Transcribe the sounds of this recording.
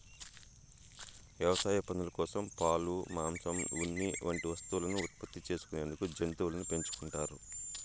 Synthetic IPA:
ʋjɐʋɐsaːjɐpɐnulɐkɔːsɐmpaːlumaːmsɐmunːiʋɐɳʈiʋɐst̪uulɐnuːt̪̚pɐt̪ːit͡ʃe̞ːsu̥kune̞ːnd̪ukud͡ʒent̪uːulɐnupe̞ɲt͡ʃu̥kuɳʈaːɾu

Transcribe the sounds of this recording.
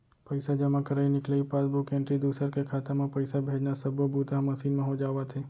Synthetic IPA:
pəjsad͡ʒəmãkəɾainɪklaipasbukɛ̃ɳʈɾid̪usəɾkekʰat̪amãpəjsabʱed͡ʒnasəbʱobut̪aɦməsinmãɦod͡ʒaʋat̪ʰe

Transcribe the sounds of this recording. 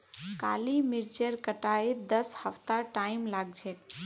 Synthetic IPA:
ka̰ːlimɪɾt͡ʃəɾkəʈaːed̪əshəft̪aʈaːimlaːɡ̚d͡ʒʱet̪

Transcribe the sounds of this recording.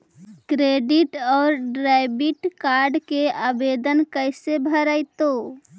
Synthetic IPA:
kɾeɖiʈɔːɾɖɾajbiʈkaɾɖkeabed̪ənkəjsebʱəɾəjt̪o

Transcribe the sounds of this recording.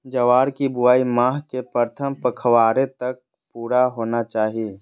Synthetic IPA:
d͡ʒɐʋaːɾkibuaːimaːɦkepəɾt̪ʰəmpəkʰʋaːɾet̪ɐk̚ | puːɾaɦoːnat͡ʃaːɦi

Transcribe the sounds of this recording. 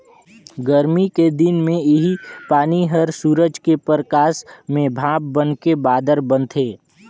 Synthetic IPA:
ɡəɾmiked̪ɪnmẽɪɦipaːniɦəɾsuːɾəd͡ʒkepəɾəkaːsmẽbʱãːb̚bənkebaːd̪əɾbənt̪ʰeː

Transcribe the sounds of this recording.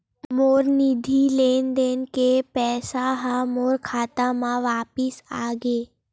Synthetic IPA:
moːɾnid̪ʱileːnd̪eːnkepɛːsaɦãmoːɾkʰaːt̪amãʋaːpɪsaːɡeː

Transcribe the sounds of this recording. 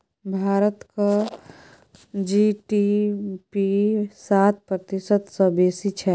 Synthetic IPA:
bʱaːɾət̪ka | d͡ʒiʈipisaːt̪̚pɾət̪isət̪sə̃beːsit͡ʃʰɛ

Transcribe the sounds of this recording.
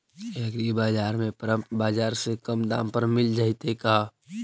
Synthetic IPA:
ekɾibaːd͡ʒaːɾmẽpɾəmpbaːd͡ʒaːɾsekəmd̪ã̰ːmpəɾmɪld͡ʒaːɪt̪eka

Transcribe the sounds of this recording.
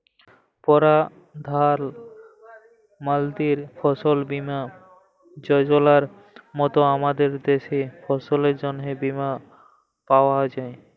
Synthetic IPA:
pɔɾa | d̪ʱal | mald̪iɾfʰɔsolbima | d͡ʑɔjd͡ʑolaɾ | mɔt̪oamad̪eɾd̪eʃefʰɔsoleɾd͡ʑɔnɦebima | paoaɔd͡ʑae

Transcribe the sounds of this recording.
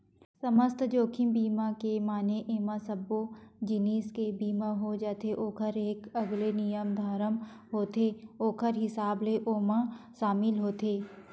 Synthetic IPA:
sɐməst̪ʰd͡ʒoːkʰimbiːmãkemaːneʔeːmãsɐbod͡ʒɪniːskebiːmãɦod͡ʒaːt̪ʰeʔoːkʰəɾeːkɐɡlenɪjəmd̪ʱaːɾəm | ɦoːt̪ʰeːoːkʰəɾɦɪsaːbleʔoːmãʃaːmɪlɦoːt̪ʰeː

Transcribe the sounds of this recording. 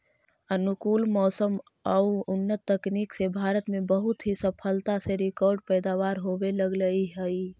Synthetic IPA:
ənʊkuːlmɔːsəm | əuʊnːət̪ːəkniːksebʱaːɾət̪mẽbəɦʊt̪ɦisəpʰəlt̪aseɾɪkɔːɾɖpɛːd̪aːʋaːɾɦoːweləɡləiɦəi

